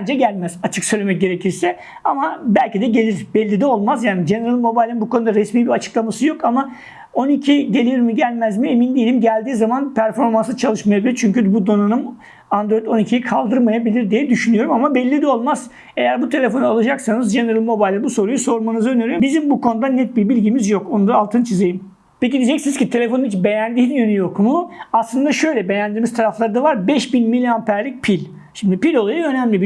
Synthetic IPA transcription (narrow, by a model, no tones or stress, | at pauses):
nd͡ʒɛɟælʲmæz̥at͡ʃʰɯksøjlʲemɛc̚ɟʲeɾecʰiɾsɛ | amabælʲcid̪ɛɟe̞lʲiɾbɛlʲːid̪ɛo̞lˠmazjaːnid͡ʒeneɾalˠimo̞bajlʲinbukʰo̞nud̪aɾesmiːbiɾat͡ʃʰɯ̥klˠamasɯjo̞kama | o̞nicʰiɟe̞lʲiɾmiɟælʲmæzmiemind̪ijilʲimɟælʲd̪iːzamanpʰæɾfo̞ɾmansɯt͡ʃʰalˠɯʃmajabilʲiɾt͡ʃʰyɲcybud̪o̞nanum | and̪ɾo̞jid̪o̞nicʰijikʰalˠd̪ɯɾmajabilʲiɾd̪ijɛd̪yʃynyjo̞ɾumamabɛlʲːid̪ɛo̞lˠmaz̥ | e̞jæɾbut̪ʰe̞lʲe̞fo̞nualˠɯd͡ʒaksanɯzd͡ʒe̞neɾɯlʲˠmo̞bajlʲɛbuso̞ɾujuso̞ɾmanɯzɯøneɾyjbizimbukʰo̞nud̪anɛt̪̚biɾbilʲɟimizjo̞ko̞nud̪aːlˠt̪ʰɯnt͡ʃʰizejim | pec̬id̪id͡ʒɛcsinizcit̪ʰelʲe̞fo̞nuit͡ʃbe̞jænd̪iːnjønyjo̞kmuaslˠɯnd̪aʃø̞jlʲɛbe̞jænd̪iɾmizt̪ʰaɾaflˠaɾɯd̪avaɾbɛʃbinmilʲijanpʰæɾlʲic̚pʰilʲ | ʃimd̪ipilʲo̞lˠajɯø̞næmlʲibi